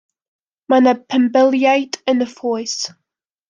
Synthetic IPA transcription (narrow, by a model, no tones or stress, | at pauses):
manəpʰə̃mbɪlˠjaɪtʰɪ̃nðəfɔɪs